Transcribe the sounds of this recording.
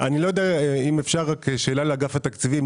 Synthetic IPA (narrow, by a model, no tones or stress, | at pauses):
ʔanilojod̪eaimefʃaʁakeʃe̞ːlaleaɡafat̪akt͡sivim